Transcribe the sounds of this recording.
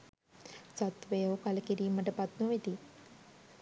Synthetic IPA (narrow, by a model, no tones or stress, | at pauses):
sɐt̪ʋejoːkɐlɐkiɾiːmɐʈɐpɐt̪noʋit̪i